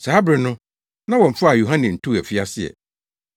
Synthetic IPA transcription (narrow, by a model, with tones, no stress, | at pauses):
sa˨˦a˦bɾɪ˨nʊ̃˦ | nã˦wɔ̃˨m̩˨fʊ˦a˨ju˨ɦã˦nɪ̃˨n̩˨tʰu˦æ˨fi˦a˦sɪ˦˨ɛ̰˨